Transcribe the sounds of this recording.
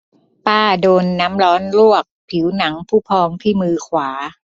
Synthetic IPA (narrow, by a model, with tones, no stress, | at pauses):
paː˥˩doː˧nːa˦˥mɾɔː˦˥nɾu˥˩ək̚pʰi˩˦wna˩˦ŋpʰuː˥˩pʰɔː˧ŋt̪ʰiː˥˩mɯː˧kʰwaː˩˦